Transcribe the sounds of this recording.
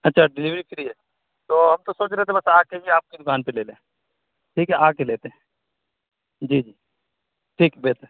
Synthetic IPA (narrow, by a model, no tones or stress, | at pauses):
ɐtːʃʰaɖɪliʋɾipʰɪɾiɦɛː | t̪oːɦɐmt̪osoːt͡ʃɾɛɦet̪ʰebɐsaːkːekiaːp̚kid̪ʊkaːnpeleːlẽː | ʈʰiːkɦɛʔaːkːeleːt̪eɦɛ̃ | d͡ʒiːd͡ʒiː | ʈʰiːkbeːt̪ə